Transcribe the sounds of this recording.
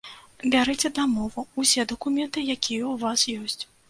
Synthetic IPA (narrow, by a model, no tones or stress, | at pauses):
bʲaɾɨt͡sʲɛd̪amɔvuusʲɛd̪ɐkumʲɛnt̪ɨjakʲʰijɛwuvasjɔsʲt͡sʲ